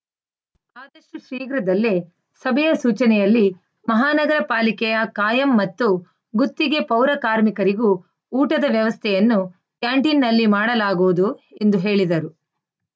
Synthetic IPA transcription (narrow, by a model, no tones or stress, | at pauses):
aːd̪ɐʃuʃɾiːɡɾɐd̪ɐlːe | sɐbʱɛjɐsuːt͡ʃɐnɛjɐlːi | mɐɦaːnɐɡɐɾɐpaːlikɛjɐkaːjɐmːɐt̪ːu | ɡut̪ːiɡe̞pɐwɾɐkaːɾmikɐɾiɡuː | ʈɐd̪ɐʋjɐʋɐst̪ʰɛjɐnːu | kjaːɳʈinːɐlːimaːɽɐlaːɡoːd̪ue̞nd̪uɦe̞ːɭid̪ɐɾu